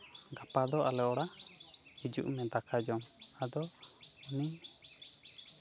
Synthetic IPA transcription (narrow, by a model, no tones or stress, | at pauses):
ɡapad̪ɔalɛʔɔɽahid͡ʒṵʔmɛd̪akʰad͡ʒɔmad̪ɔuni